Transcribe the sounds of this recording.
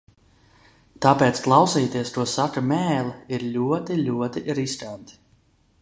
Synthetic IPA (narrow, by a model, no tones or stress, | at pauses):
t̪apeːt̪sklˠawsiːt̪iɛst̪uɔsakɨmɛːlˠiiɾlʲuɔt̪ilʲuɔt̪iʔɾist̪ant̪i̥